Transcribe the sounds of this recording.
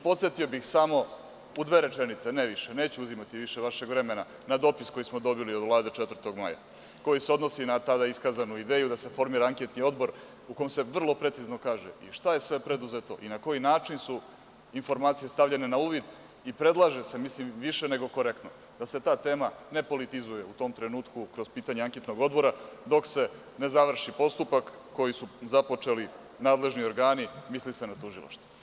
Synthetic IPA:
ipo̞t̪set̪io̞bixsamo̞ | ud̪ʋe̞ːɾe̞t͡ʃenit̪se̞neʋiʃene̞ːt͡ɕuuzimat̪iʋiʃe̞ʋaʃe̞ɡʋɾe̞mena | nad̪o̞pisko̞jismod̪o̞biliod̪vlˠaːd̪et͡ʃet̪vər̩t̪o̞ɡma̰ja̰ | ko̞jiseo̞d̪no̞sinat̪ad̪aiskazanuid̪eːjud̪ase̞fo̞ɾmiːɾaaŋke̞t̪nio̞d̪bo̞ɾ | ukomse̞ʋr̩lˠo̞pɾe̞t̪sizno̞kaːʒḛḭʃt̪aje̞sʋe̞pɾed̪uzet̪o̞̰ʔinako̞jinaːt͡ʂinsu | info̞ɾmaːt̪sije̞st̪avʎe̞ne̞nauːʋid̪ | ipɾe̞d̪lˠaʒe̞se̞mislimʋiʃe̞ne̞ɡo̞ko̞ɾe̞kt̪no̞ | d̪̥ase̞t̪aːt̪e̞ːmane̞po̞lit̪izuje̞ut̪o̞ːmt̪ɾe̞nuːt̪kukɾo̞zpiːt̪aɲeaŋket̪no̞ɡo̞d̪bo̞ɾad̪o̞kse̞ | ne̞zaʋr̩ʃipo̞st̪upakː | o̞jisuzapo̞t͡ʂe̞li | naːd̪le̞ʒnioɾɡaːnimislise̞nat̪uʒilˠa̰ʃt̪u̥

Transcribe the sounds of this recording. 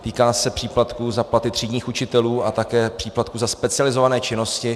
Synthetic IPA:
t̪iːkaːsɛpr̝̥iːplat̪kuzaplat̪ɪt̪r̝̥iːɟɲiːxut͡ʃɪt̪ɛluːat̪akɛːpr̝̥iːplat̪̚kuzaspɛt͡sɪalɪzo̞vanɛːt͡ʃɪno̞scɪ

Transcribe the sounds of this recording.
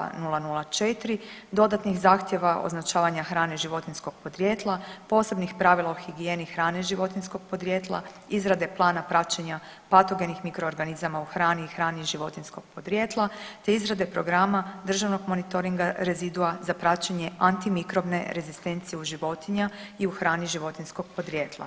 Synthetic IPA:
nulˠanulˠat͡ʃet̪ɾid̪o̞d̪at̪nixzaːxt̪jeʋao̰znat͡ʃaːʋaɲaxɾaːneʒiʋo̞t̪insko̞ɡ̥̚po̞d̪ɾjeːt̪lˠapo̞ːse̞bnixpɾaʋilˠaoxiɡijeːnixɾaːneʒiʋo̞t̪insko̞ɡ̚po̞d̪ɾjet̪lˠa̰izɾad̪e̞plˠaːnapɾat͡ʃeɲa | pat̪o̞ɡe̞nixmikɾo̞ːɾɡanizamauxɾaːniːxɾaːniʒiʋo̞t̪insko̞ɡ̚po̞d̪ɾʲjet̪lˠat̪e̞izɾad̪epɾo̞ɡɾamad̪r̩ʒaʋno̞ɡmo̞nit̪o̞ɾiŋɡaɾe̞zid̪uazapɾat͡ʃeɲe̞ant̪imikɾo̞bne̞ɾe̞zist̪e̞nt̪sijeuʒiʋo̞t̪iɲaiuxɾaːniʒiʋo̞t̪insko̞ɡ̚po̞d̪ɾjeːt̪lˠa̰

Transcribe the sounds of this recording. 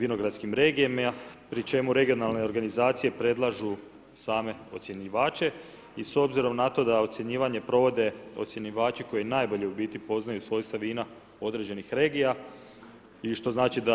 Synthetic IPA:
ʋinoɡɾad̪t̪skimɾe̞ːɡiempɾit͡ʃe̞muɾe̞ɡio̞nalne̞o̞ɾɡanizaːt̪sije̞pɾe̞d̪lˠaʒu | saːme̞o̞t̪sjeɲiʋaːt͡ʃe̞ | iso̞bziɾo̞mnat̪o̞d̪aot̪sʲje̞ɲiːʋaɲe̞pɾo̞ʋo̞d̪e̞o̞t̪sjeniʋaːt͡ʃiko̞jenajbo̞ʎe̞ubiːt̪ipo̞znajusʋo̞jst̪aʋiːna | o̞d̪ɾe̞ːd͡ʑe̞nixɾe̞ːɡija | iʃt̪o̞znaːt͡ʃid̪a

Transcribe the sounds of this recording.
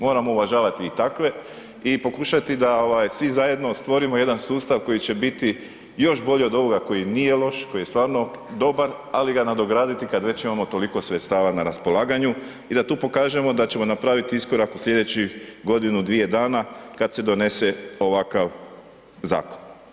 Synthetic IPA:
mo̞ːɾamo̞uʋaʒaːʋat̪iːt̪akʋe̞ | ipo̞kuʃat̪id̪aoʋaːjsʋizaje̞d̪no̞st̪ʋo̞ɾimo̞je̞d̪ansuːst̪aʋko̞jit͡ɕe̞bit̪i | jo̞ʃbo̞ʎeo̞d̪o̞ʋo̞ɡako̞jinije̞lˠo̞ʃko̞jest̪ʋaːɾno̞ | d̪o̞baɾ | aliɡanad̪o̞ɡɾaːd̪it̪ikad̪ʋe̞t͡ɕimamo̞t̪o̞liko̞sʋet̪st̪aːʋanaɾaspo̞laːɡaɲu | id̪at̪uːpo̞kaːʒe̞mo̞d̪at͡ɕe̞mo̞napɾaːʋit̪iisko̞ɾakuslʎʲe̞d̪e̞t͡ɕiɡo̞d̪inud̪ʋije̞d̪aːnakad̪se̞d̪o̞ne̞se̞o̞ʋakaʋ | za̰ːko̥n

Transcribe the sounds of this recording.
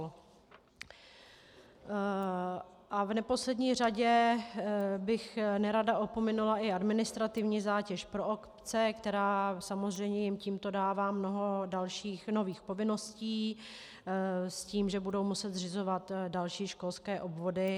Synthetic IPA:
l | ʔavnɛpo̞slɛdɲiːr̝aɟɛ | bɪxnɛɾadaʔo̞po̞mɛnulaʔɪadmɪnɪst̪ɾat̪ɪvɲiːzaːcɛʃpɾoʔokpt͡sɛkt̪ɛɾaːsamozr̝ɛjmɲɛjɪmciːmt̪o̞daːvaːmno̞ɦo̞dalʃiːxno̞viːxpo̞vɪno̞sciː | sciːmʒɛbudo̞wmusɛt̪zrɪzo̞vat̪dalʃiːʃko̞lskɛːʔo̞bvo̞dɪ

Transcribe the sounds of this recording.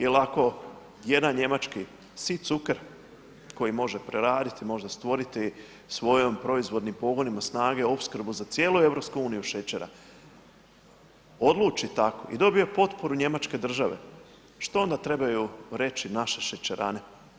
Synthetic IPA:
elako̞ | je̞d̪anɲe̞mat͡ʃki | sit̪sukeɾ | ko̞jimo̞ʒepɾeɾaːd̪it̪imo̞ʒd̪ast̪ʋo̞ɾit̪i | sʋo̞jo̞mpɾo̞izʋo̞d̪nimpo̞ɡo̞nimasnaːɡe̞opskɾbuzat̪sjeːlue̞ʋɾo̞pskuuːnijuʃet͡ʃeɾa̰ | o̞d̪lˠuːt͡ʃit̪ako̰ʔḭd̪o̞bio̞po̞t̪po̞ɾuɲe̞mat͡ʃke̞d̪r̩ʒaʋe̞̰ | ʃt̪o̞o̞nd̪at̪ɾe̞bajuɾe̞t͡ʃinaʃe̞ʃet͡ʃeɾa̰ne̞

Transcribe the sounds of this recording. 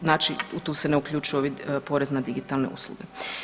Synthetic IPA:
naːt͡ʃiut̪uːseneukʎʲuːt͡ʃujoʋipo̞ɾeznad̪iɡit̪alˠne̞̰ṵslˠṵɡe

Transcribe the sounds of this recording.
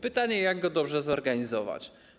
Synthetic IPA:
pɘt̪aɲɛjaɡɡɔd̪ɔbʐɛzɔɾɡaɲizɔva̰t͡ɕ

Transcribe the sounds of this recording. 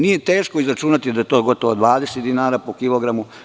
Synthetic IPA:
nije̞t̪e̞ːʃko̞izɾat͡ʃuːnat̪id̪ajet̪o̞ːɡo̞t̪oʋod̪ʋaːd̪eset̪d̪inaːɾaːpokiloɡɾamu

